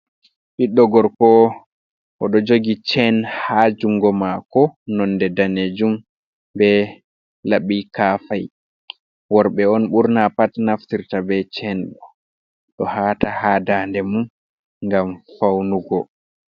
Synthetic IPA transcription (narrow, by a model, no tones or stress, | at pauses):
ɓiɗːɔɡɔɾkɔ | ʔɔɗɔd͡ʒoɡit͡ʃɛnhad͡ʒuŋɡɔmakɔnɔndɛdaned͡ʒum | bɛ | laɓikaːfaj | wɔɾɓɛɔnɓuɾnapatnaftiɾtabɛt͡ʃɛnɗɔ | ɗɔhaːtahaːdandɛmun | ŋɡamfawnuɡɔ